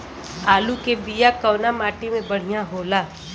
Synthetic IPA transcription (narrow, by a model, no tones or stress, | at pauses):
aːlukebijakɐːnamaːʈimẽbɐɽ̤ijãɦoːlaː